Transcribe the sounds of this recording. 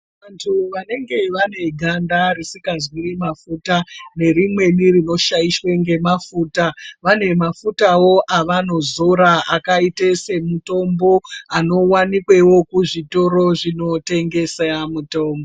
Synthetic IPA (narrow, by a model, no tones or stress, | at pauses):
ʋantʰuʋane̞ŋɡe̞ʋane̞ɡʱandarisikazwirimafuːtane̞rimwe̞nirino̞ʃajiʃwe̞ŋɡe̞mafuːtaʋane̞mafutawo̞ʔaʋano̞zoɾaʔakaitese̞muto̞mbo̞ano̞wanikwe̞wo̞kuʐito̞ɾo̞ʐino̞te̞ŋɡe̞seamuto̞ːmbo